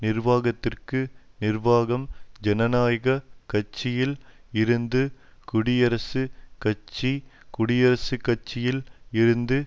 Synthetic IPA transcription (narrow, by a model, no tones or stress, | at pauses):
nɪrʋaːɣɐt̪ːɪrkɯnɪrʋaːɣɐmd͡ʒɛnɐnaːjɣɐkɐt͡ʃːɪjɪlɪɾɯnd̪ɯkʊɽɪjɐɾɐsɯkɐt͡ʃːikʊɽɪjɐɾɐsɯkːɐt͡ʃːɪjɪlɪɾɯnd̪ɯ